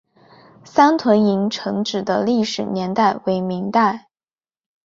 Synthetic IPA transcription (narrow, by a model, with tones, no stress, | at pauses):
sa˥nt̪ʰwə˧˥ni˧˥ŋʈ͡ʂʰɤ˧˥ŋʈ͡ʂɻ̩˨˩d̪ə˦li˥˩ʂɻ̩˨˩njɛ˧˥nt̪a˥˩ɪwe˧˥ɪmi˧˥ŋt̪a˥˩ɪ